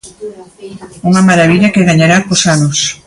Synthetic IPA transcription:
uŋɐmaɾaβiʎɐkeɣaɲaɾakosanʊs

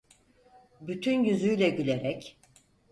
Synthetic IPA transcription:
byt̪ʰynjyzyjlʲɛɟylʲeɾɛc

